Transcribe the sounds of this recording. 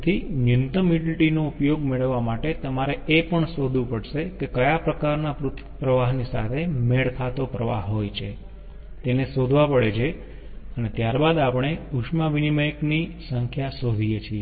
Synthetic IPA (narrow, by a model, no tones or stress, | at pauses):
t̪ʰinjʊnt̪əmiɖiʈinoupjoɡmeɭəʋːamaʈet̪əmaɾeepəɳsod̪ʱũpəɽʃekekəjapɾəkaɾnapɾʊt̪ʰpɾəʋaɦnisa̰t̪ʰemeɭkʰat̪opɾəʋa̰ɦɦːojt͡ʃʰe | t̪enesod̪ʱʋapəɽet͡ʃʰe | ənet̪jaɾbad̪apɳ̃euʃmaʋinimeknisəŋkʰjasod̪ʱijet͡ʃʰie